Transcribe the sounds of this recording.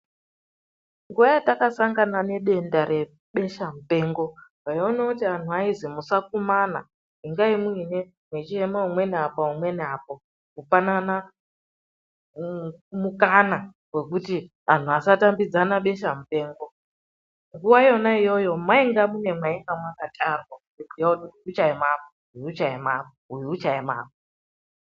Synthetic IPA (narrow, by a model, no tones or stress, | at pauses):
ŋɡuʋajatakasaŋɡanane̞ɗe̞ndaɾe̞ | ɓe̞ʃamupe̞ːŋɡo̞wajonakutian̤uaizimusak̚umana̰ | iŋɡaimuine | mwet͡ʃiemaumwe̞neapaumwe̞neapo | kufanana | mukana | we̞k̬uti | an̤uasatambid͡zanaɓe̞ʃamupe̞ːŋɡo | ŋɡuwajo̞naijo̞jo̞mwaiŋɡamune̞mwaiŋɡamwakatʰʼarwa | ekijautiuiut͡ʃaimapo | ɦuiut͡ʃaimapoɦujiut͡ʃaima̰ːp̚o